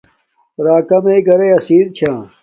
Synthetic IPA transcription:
ɾaːkɐmeːɡɐɾeɐsiːɾt͡ɕʰãː

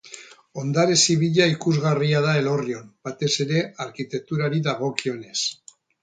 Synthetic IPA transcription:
o̞nd̪aɾesiβ̞iʎaikuzɣariað̞ae̞lo̞rio̞mbat̪e̞se̞ɾe̞aɾkit̪e̞k̚t̪uɾaɾiðaɣ̞o̞kio̞ne̞s

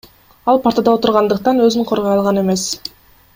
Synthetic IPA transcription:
ɑlˠpʰaɾt̪ad̪ɑo̞t̪uɾʁɑnd̪ɯq̚t̪ɑnø̞zyɴqʰo̞ɾʁɑjɑlˠʁɑne̞me̞s

